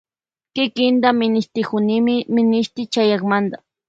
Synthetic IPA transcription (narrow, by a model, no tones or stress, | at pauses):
kɪkɪnd̪amɪnɪʃt̪ɪkʊnɪmɪmɪnɪʃt̪ɪt͡ʃajɑkmand̪a